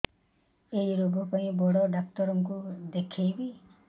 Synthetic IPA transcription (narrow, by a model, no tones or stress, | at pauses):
ejɾoɡɔkɔɦĩbɔɽɔɖak̚tɔɾɔŋkud̪ekʰejbi